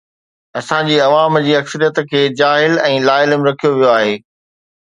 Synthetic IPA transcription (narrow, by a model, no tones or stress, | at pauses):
ɐsãd͡ʑiːɐʋaːmd͡ʑiːɐksəɾijət̪kʰeːd͡ʑaːɦɪlɛ̃ːlaːɪləmɾɐkʰijoʋijoaːɦeː